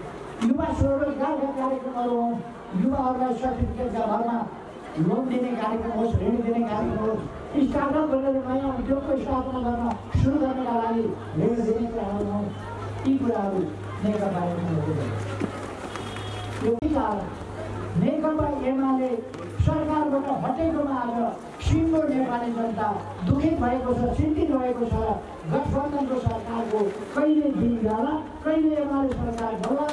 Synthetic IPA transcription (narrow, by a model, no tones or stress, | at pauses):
juwasɾoɡaɾekakaɾjekrʌmʌɾuɦʌ̃ | juwaɦʌɾulajswat̪ʰipikad͡zabʱʌɾma | lond̪inekaɾjekrʌmʌubʱɾeɽ̃id̪inekaɾjekrʌmo | ist̪ad̪ʌbʱʌneɾʌnʌjãt̪okoist̪at̪maɡʌrnʌ | suɾuɡʌrnʌkalaɡi | bʱeɽd̪inekuɾaɦʌɾuʌũ | t̪ikuɾaɦʌɾu | nekʌpaemuʌɡonʌ̰ | jopikalʌ | nekʌpaemale | sʌrkarbaʈʌɦʌʈekomaaɾʌ | simːonermalibʌnt̪a | d̪ukʰit̪bʱʌekot͡sʰʌsint̪it̪bʱʌekosʰʌɾ | ɡʌsʰbʌnd̪ʱʌnkosʌrkarko | kʌilejd̪ʱiiɾʱaɦɾa | kʌileemalesʌrkardʌla